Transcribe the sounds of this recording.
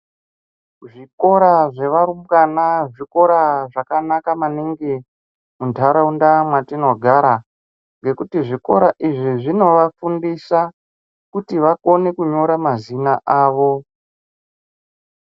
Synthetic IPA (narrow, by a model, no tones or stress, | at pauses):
ʐiko̞ɾaʐe̞ʋaɾumɡanaʐiko̞ɾaʐakanakamaniŋɡe | mundʰʱaɾaundamwatinoɡʱaɾa | ŋɡe̞kutiʐiko̞̰ɾaʔiʐiʐino̞ʋafundisa | kutiʋako̞ne̞kuɲo̞ɾamazinaʔaːʋo̞